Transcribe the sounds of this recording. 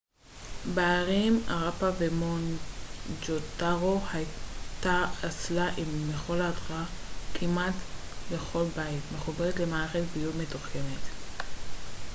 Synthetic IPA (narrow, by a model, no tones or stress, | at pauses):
baːʁima̰ʁapavemo̞n | d͡ʒotaʁohajt̪aːt͡slaʔimːeχo̞ladʁakʰimat | be̞χo̞lbajitme̞χubeʁetlemaːeχetbijudme̞tuχke̞net